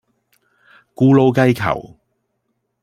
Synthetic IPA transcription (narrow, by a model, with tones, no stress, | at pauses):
kuː˨˥lo˧wkɐ˧jkʰɐ̰˨˩w